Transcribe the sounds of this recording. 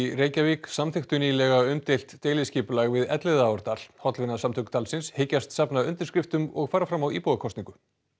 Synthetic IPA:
ireːjcaviksamθɪxt̪ʏnilɛɣaʏmt̪ejl̥t̪ːejlɪscɪːpʏlaɣvɪðɛt̪lɛðaːɔɾt̪al̥hɔt̪lvɪnasamt̪ʰʏkʏt̪ʰalsɪnshɪcːast̪sapnaʏnt̪ɪɾ̥skɾɪft̪ʏmɔɣfaːɾafɾamawiːpowðakʰɔsniŋkʏ

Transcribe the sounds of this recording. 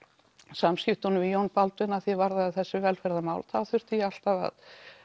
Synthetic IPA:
samscɪft̪ɔnʏvɪjownpalt̪ɪnaθjɛvaɾðaðθɛsːʏvɛlfɛɾðamaːwlt̪ʰaːθʏr̥t̪ial̥t̪ava̰ð

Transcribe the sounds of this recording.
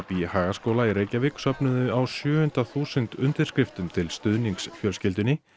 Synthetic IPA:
pihaːɣaskowlaiɾeːjcavɪksœpnʏðʏawsjœːhʏnt̪aθuːsʏnt̪ʏnt̪ɪɾ̥skɾɪft̪ʏmt̪ʰɪlst̪ʏðniŋksfjœlscɪlt̪ʏnːɪ

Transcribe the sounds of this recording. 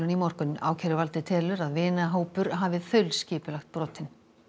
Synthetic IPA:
ʏnimɔr̥kʏnʔaːwcʰɛɾʏvalt̪ɪt̪ʰɛːlʏɾaðvɪːnaɦowpʏɾɦaːvɪθœɥlscɪːpʏlaxt̪̚pɾɔːt̪ɪn

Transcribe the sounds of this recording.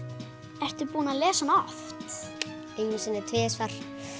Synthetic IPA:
ɛr̥t̪ʏɾpuːnaðlɛːsanɔft̪ | eːjmisɛnːɪt̪ʰvɛːsfar̥

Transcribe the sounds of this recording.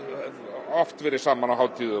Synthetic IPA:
ɔft̪vɛːɾɪ̥saːmanawɦaːwt̪ʰiːðʏ

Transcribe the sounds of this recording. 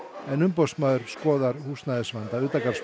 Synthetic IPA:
ɛnʏmpost̪maʏɾskɔːðaɾhuːsnaðɪsvant̪aʏːt̪akaɾs

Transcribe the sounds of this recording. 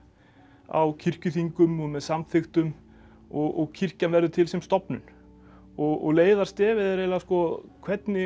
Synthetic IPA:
a̰wcʰir̥cʏθiŋkʏmɔɣmɛðsamθɪxt̪ʏm | ɔɣɔɣcʰir̥canvɛɾðʏt̪ʰɪlsɛmst̪ɔpnʏn | ɔɣɔ̰ɣleːjðaɾ̥st̪ɛːvɪðɛɾɛːlaskɔkʰvɛt̪nɪ

